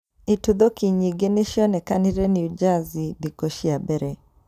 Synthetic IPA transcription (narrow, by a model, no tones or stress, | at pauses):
itud̪ɔkiɲiɡenɪʃjɔnɛkanɪɾɛniud͡ʒazid̪ikɔʃiabɛɾɛ